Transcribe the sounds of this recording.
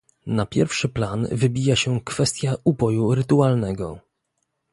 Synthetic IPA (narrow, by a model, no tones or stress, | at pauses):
napʲjɛɾfʂɘplanvɘbʲijaɕɛkfɛst̪ʲjaubɔjuɾɘt̪ualnɛɡɔ̰